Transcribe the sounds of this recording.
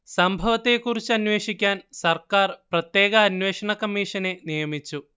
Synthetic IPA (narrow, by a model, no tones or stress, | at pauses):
sɐmbʱɐʋɐt̪ːe̞kurit͡ɕːuɐnʋe̞ːʂikʲːaːnsɐrkaːrprɐt̪je̞ːɡɐːnʋe̞ːʂɐɳɐkɐmːiːʂɐnenijɐmit͡ɕːu